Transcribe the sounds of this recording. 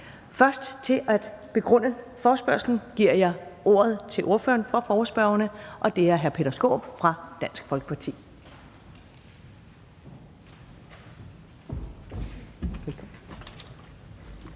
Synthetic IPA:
fɶɐsd̥t͡sʰe̝ʔæd̥b̥e̝ɡ̥ʁɔ̽n̰ə | fɒːsb̥ɶɐsln̩ɡ̥iɐ̰jɑ̈ɪʔo̝ːɐð̞ˠt͡sʰe̝lʔo̝ɐfø̰ːɐnfɒ̽fɒʊɐsb̥ɶɐʊɐnəʔɒ̽d̥e̝æɐɦæɐpʰe̝dɐsɡ̥o̝̰ːb̥fʁɑ̈d̥æn̰sɡ̥fɒ̽lɡ̥ə̥pʰɑ̈t͡sʰḭː

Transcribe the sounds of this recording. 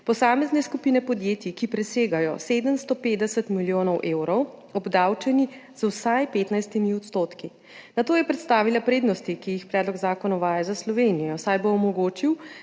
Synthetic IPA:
pɔsaːmɛznɛskupiːnɛpɔd̪jeːt̪ikipɾɛseːɡajɔ̰seːd̪əmst̪ɔpeːd̪ɛsɛt̪miljoːnɔwʔeːwɾɔwɔbd̪awt͡ʃɛniz̥wsajpeːt̪najst̪imiɔt̪st̪oːt̪ki | nat̪oːjɛpɾɛt̪st̪aːʋilapɾeːd̪nɔst̪ikijixpɾɛːd̪lɔɡzaːkɔnɔʋaːjazaslɔʋeːnijɔsajboːmɔɡoːt͡ʃiw

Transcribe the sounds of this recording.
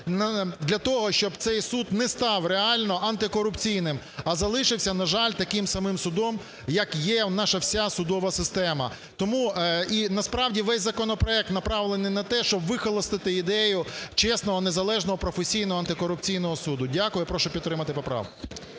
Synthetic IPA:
nd̪lʲɐt̪ɔɦɔʃt͡ʃɔbt̪sɛjsud̪nɛst̪ɑwreɑlʲnɔʔɐnt̪ɪkɔɾʊpt͡sʲijnɪm | ɐzɐlˠɪʃɪwsʲɐnɐʒɑlʲt̪ɐkɪmsɐmɪmsʊd̪ɔm | jɐkjɛnɑʃɐwsʲasʊd̪ɔʋɐsɪst̪ɛmɐ | t̪ɔmuinɐspɾɑwdʲiʋɛsʲzɐkɔnɔpɾɔɛk̚t̪nɐpɾɑʋlˠenɪjnɐt̪ɛʃt͡ʃɔbʋɪxɔlˠɔst̪ɪt̪ɪid̪ɛjʊt͡ʃɛsnɔɦɔnezɐlˠɛʒnɔɦɔpɾɔfesʲijnɔɦɔɐnt̪ɪkɔɾʊp̚t͡sʲijn̪ɔɦɔsud̪ʊdʲakʊjʊpɾɔʃʊpʲit̪t̪ːɾɪmɐt̪ɪpɔpɾɑ̰wk

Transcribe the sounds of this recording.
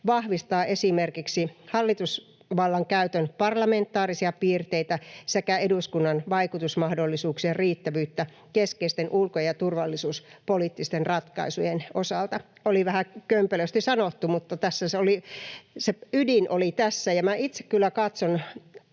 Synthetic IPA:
ʋɑhʋist̪ɑːʔesimerkiksihɑlːit̪us | ʋɑlːɑŋkæyt̪ønpɑrlɑment̪ːˑɑːrisiɑpiːrt̪eit̪æsekæeduskunːɑnʋɑikut̪usmɑhdolːisuːksierriːt̪ːæʋyːt̪ːæ | keskeist̪enʔulkojjɑt̪urʋɑlːisuːspoliːˑt̪ːist̪enrɑt̪kɑ̰isujenosɑlt̪ɑoliʋæhækømpøløst̪isɑnot̪ːumut̪ːɑt̪æsːæseoliseydinʔo̰lit̪æsːæjɑmæit̪se̥kkylːækɑt̪son

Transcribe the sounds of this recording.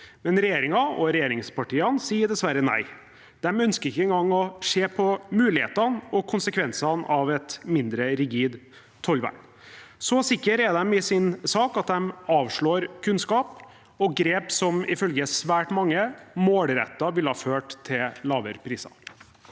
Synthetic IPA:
mɛnɾɛjeːɾɪŋɑɔɾɛjeːɾɪŋspɑʈiːɑnsiːəɖ̪ɛsʋæɾənæ̰ɪ | d̪̥ɛmœnskəɾɪkːəɛŋɡɑŋːɔʂeːpʰɔmʉːlɪhḛːt̪ɑnɔkʰʊnsəkʰʋɛnsɑnɑʋɛt̪mɪnd̪ɾəɾɪɡiːd̪ | t̪ʰːɔlʋæ̰ɳ | sɔsɪkːəɾɛd̪ɛmɪsɪnsɑːkɑt̪̚d̪ɛmɑːʋʂɭoːɾkʰʉnskɑːp | ɔɡɾeːpsɔmɪfœlɡəsʋæːʈmɑŋːəmoːlɾɛ̰t̪ːɑʋɪləhɑːføːʈt̪ʰːɪllɑːʋəɾpʰɾiːsɑ̰

